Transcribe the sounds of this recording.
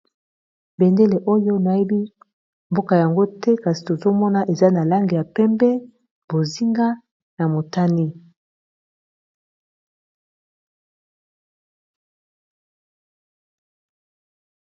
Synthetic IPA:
bɛ˨nde˦le˨ʔo˦jo˦na˨je˦bi˦ | mbo˦ka˨ja˨ŋɡo˦tɛ˦ka˨si̥˨to˨zo˦mɔ˦na˦˨ʔe˨za˦na˨la˦ŋɡe˨ja˨pɛ˦mbɛ˦ | bo˨zi˦ŋɡa˦ | na˨mo˨ta˦ni˦

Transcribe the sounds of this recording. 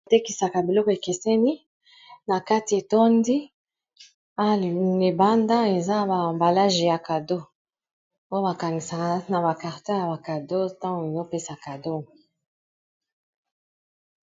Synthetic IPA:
te˦ki˨sa˨ka˨bi˨lɔ˦ko˨e˨ke˨sɛ˦ni˦ | na˨ka˦ti˨e˨to˦ndi˦ | a˦˨ne˨ba˦nda˦e˨za˦˨ba˨mba˨la˦ʒe˨ja˨ka˨do˦ | o˦o˦ba˨ka˨ŋɡi˨sa˨ka˦na˨ba˨ka˨ʁte˦ja˨ba˨ka˨do˦tã˦ŋɡu˨e˨zo˦pe˦sa˨ka˨do˦˨

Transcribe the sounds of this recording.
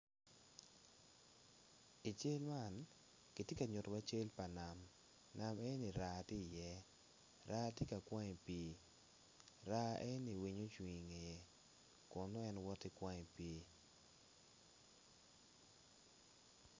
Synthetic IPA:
i˨t͡ʃe˦lma˦˨n | kɪ˨te˦ka˨ɲʊ˨twa˦t͡ʃe˦lpa˨na˨m | na˨mɛ˦ni˨ɾa˨ti˦˨jɛ˦ | ɾʔa˦tɪ˦ka˨kwa˦ŋe˨pi˦ | ɾa˦ɛ˦ni˨wi˨ɲo˦t͡ʃwi˨ŋe˨e˨ | kʊ˨no˦ɛ˦nwɔ˦tɪ˦kwa˦ŋe˨pe˨˦

